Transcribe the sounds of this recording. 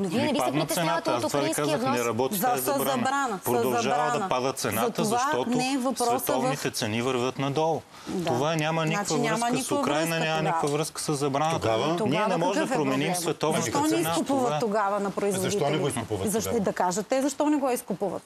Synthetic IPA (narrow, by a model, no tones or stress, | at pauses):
noviiipamɐt̪t̪sɛnat̪ast̪ovaikazəxnɛɾɐbɔt̪iɛzɐzbɾanbɾanɐpɾod̪ɐlˠɐʒavɐd̪ɐpad̪ət̪̚t̪sɛnaɐt̪ovʃaʃt̪ɔtnɛɛvɐspɾɔvɛst̪ɔvnit̪ɛt̪sɛnivəɾvʲət̪nɐd̪ɔlˠ | dt̪ovanʲamɐnikvɐvəmnik̪okɾajnɐnʲamɐnikvɐvɾɤskə̥sɐzːɐbɾanət̪avoniɛnɛɐmɔʒɛd̪ɐpɾomɛnimssvɛt̪ɔvnit̪ɔnɛinakʊpuvɐt̪ːoɡavɐnɐpɾoizvod̪iɛɛoiskopuvɐzɐʃd̪ɐkaʒət̪ːɛzɐʃt̪ɔnɛɡɔiskʊpuvə̰t̪